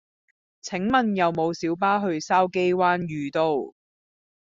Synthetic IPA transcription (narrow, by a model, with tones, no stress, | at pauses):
t͡sʰɪ˨˥ŋmɐ˨njɐ˨wmo˨˧wsiː˨˥wp̬aː˥ɦɵ˧ɥsaː˥wke˥jwaː˥njyː˨˧t̪o˧w